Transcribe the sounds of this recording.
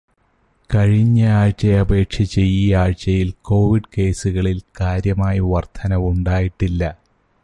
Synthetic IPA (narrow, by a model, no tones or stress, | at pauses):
kɐɻiɲːɐaːɻt͡ɕɐjɐbe̞ːʈʂɐt͡ɕːejːiaːɻt͡ɕɐjilko̞ːʋiɖke̞ːsuɣɐɭilkaːɾjɐmaːjɐʋɐrt̪ʰɐnɐʋuɳɖaːjiʈːilːɐ